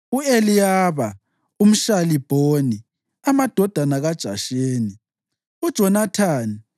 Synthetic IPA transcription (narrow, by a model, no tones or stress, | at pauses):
uelijaːβa | um̩ʃalib̥ʱoni | amad̥ʱɔd̥ʱanaɣad̥ʒ̥ʱa̰ʃeːni | ud̥ʒ̥ʱɔnatʰaːni